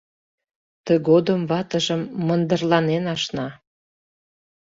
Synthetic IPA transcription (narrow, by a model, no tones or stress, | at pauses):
t̪ə̆ɣod̪əmβɑt̪ə̆ʒəmːənd̪ərlɑnenɑʃnɑ